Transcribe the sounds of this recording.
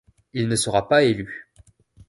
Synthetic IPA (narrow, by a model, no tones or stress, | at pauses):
ilnəsəʁapaely